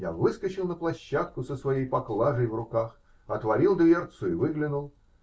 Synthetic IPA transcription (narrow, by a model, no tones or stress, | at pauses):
ja̰vɨskət͡ɕɪlˠnəplˠɐɕːat̪̚kʊsəsvɐjejpɐklˠaʐəjvrʊkax | ɐt̪vɐɾʲilˠd̪vʲejʲert̪sʊɪvɨɡlʲɪnʊlˠ